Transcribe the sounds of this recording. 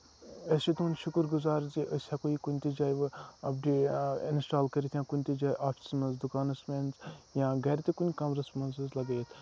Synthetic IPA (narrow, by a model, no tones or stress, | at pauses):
esit̪unʃʊkɨɾɡʊzaːɾziʔɐsʲakoikunʲt̪id͡ʒaːjʋɨɐb̚ɖeːɪ̰nsʈaːlkɐɾit̪ʰjãːkunʲt̪id͡ʒaːjʔaːpʰi̥smɐnzd̪ʊkaːnɐsmenzjãːɡɐɾt̪ekunʲkɐmɾɐsmɐnzɨzlɐɡeːt̪ʰ